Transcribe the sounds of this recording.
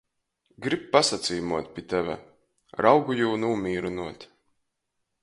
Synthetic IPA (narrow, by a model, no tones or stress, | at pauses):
ɡɾip̚pasat̪siːmuɔt̪̚pʲit̪ɛvʲæ̰ | ɾawɡujuːnuːmiːɾunuɔt̪